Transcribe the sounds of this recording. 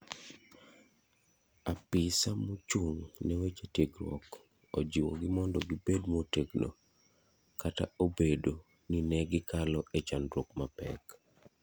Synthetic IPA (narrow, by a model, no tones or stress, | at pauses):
apisamot͡ʃuŋnɛwet͡ʃetjeɡɾwɔ̰k | od͡ʒiwɔ̰ɡɪmɔndɔɡibedmoteɡno̰ | kataobedo | ninɛɡɪkalɔʔet͡ʃandɾwɔkmapɛ̰k